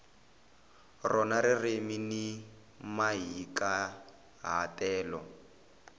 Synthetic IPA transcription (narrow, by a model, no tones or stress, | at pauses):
rɔnaɾɪremini | maɦika | ɦa̰tɛːlɔ